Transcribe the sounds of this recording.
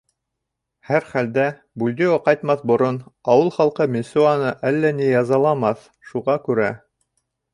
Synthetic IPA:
hæɾχæld̪æ | bʉlʲd̪ioqɑjt̪mɑθbŏɾonɑwɤlˠχɑlˠqɤmʲɪnsuɑnɤʔælːænijɑzɑlˠɑmɑθ | ʃuʁɑkʉɾæ

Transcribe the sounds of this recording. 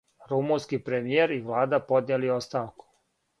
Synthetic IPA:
ɾumunskipɾemijeɾiʋlˠaːd̪apo̞d̪nelio̞st̪aːʋku̥

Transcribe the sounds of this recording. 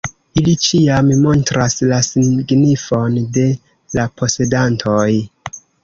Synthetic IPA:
ilit͡ʃiammo̞ntɾaslasiɡnifo̞nde̞ | lapʰo̞se̞dantʰoj

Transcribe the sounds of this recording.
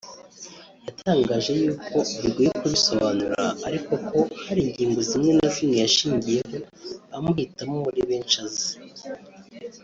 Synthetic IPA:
jatʰaːŋɡaːʒe̞juːkʰo̞iɾiɡwijekuβiso̞βanuɾa̰ːɾiko̞kʰo̞haɾiːɲɟiːŋɡo̞zimɲe̞nazimŋe̞jaʃiːɲɟije̞ho̞ | amuhitamuuɾiβeːnʃazi̥

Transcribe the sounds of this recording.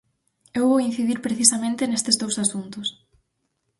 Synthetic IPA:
ewβowin̟θiðiɾpɾeθisɐmẽnt̪enest̪ezðowsasunt̪ʊs

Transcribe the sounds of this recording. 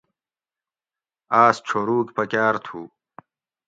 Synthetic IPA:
aːsʈ͡ʂʰoːɾuːkʲpɐkʲaːɾt̪ʰuː

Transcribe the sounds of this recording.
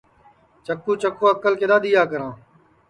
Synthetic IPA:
t͡ʃəkːuːt͡ʃəkːõːəkəlkeːd̪aːd̪iːjaːk̬əɾãː

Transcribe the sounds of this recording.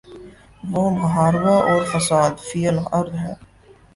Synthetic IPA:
ʋoːmɐɦaːɾʋaʔɔːɾfɐsaːd̪fiːjəlɐɾd̪ɦɛː

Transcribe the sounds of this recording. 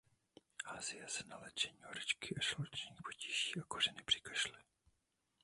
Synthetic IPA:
ʔaːzɪjasɛnalɛt͡ʃɛɲiːhoɾɪt͡ʃkɪʔaʃlot͡ʃɲiːxpociʒiːakorɛnɪpr̥ɪkɛ̥ʃlɪ

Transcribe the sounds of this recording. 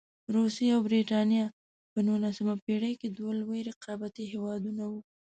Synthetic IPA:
ɾusiawbɾiʈɑnjɑ | pənulasamapeɽəjked̪walweɾɪqɑbat̪iɦewɑd̪unawu

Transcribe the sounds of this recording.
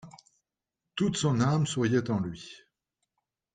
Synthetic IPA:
t̪ut̪sɔ̃namswʁjɛt̪ɑ̃lɥi

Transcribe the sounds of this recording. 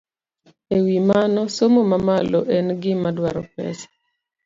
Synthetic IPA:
ewimanɔsomomamalɔʔɛnɡɪmadwaɾɔpɛ̰sḁ

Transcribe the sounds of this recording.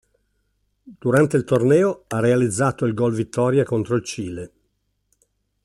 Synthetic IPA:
d̪̥uɾant̪eilt̪ornɛːoarːealid̪zːaːt̪oilɡɔlvit̪ʰːɔːɾjakont̪ɾoilt͡ʃiːle

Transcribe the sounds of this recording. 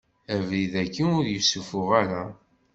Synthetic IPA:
ævliðækːinʊɾjusufʊʁæɾæ

